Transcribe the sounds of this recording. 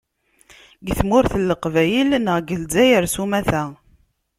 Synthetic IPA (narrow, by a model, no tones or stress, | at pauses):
ɡθmʊɾθəlːəqvæjəlnəʁɡəlzæjəɾsumæθæ